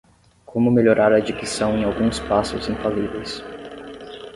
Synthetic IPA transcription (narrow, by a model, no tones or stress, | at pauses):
kʰõmʊmeʎoɾʔaɾɐːd͡ʒikisɐ̃w̃ẽj̃awɡũspasʊzẽfalivejs